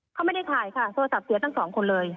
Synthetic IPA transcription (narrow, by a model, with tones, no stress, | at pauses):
kʰa˥˩ma˥˩jda˥˩jt̪ʰaː˨˩jkʰa˥˩t̪ʰo˧sa˨˩p̚si˨˩˦t̪a˥˩ŋsɔː˩˦ŋkʰo˧nlɤː˧j